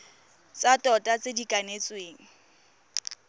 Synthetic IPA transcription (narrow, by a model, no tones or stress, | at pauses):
t͡satʼɔtʼat͡sʼedikʼanet͡sweːŋ̩